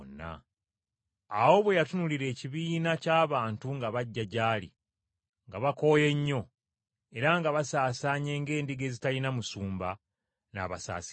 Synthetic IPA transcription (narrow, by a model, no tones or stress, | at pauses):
nːa̰ | wo̞βwe̞jatunuliɾe̞ːciβiːnacaːβaːntuŋɡaβaɟːaɟaːlḭ | ŋɡaβako̞ːje̞ɲːo̞ | e̞ɾaŋɡaβasaːsaːɲe̞ːŋɡe̞ːndiɡe̞ːzitalinamusuːmba | na̰ːβa̰sa̰ːsi̥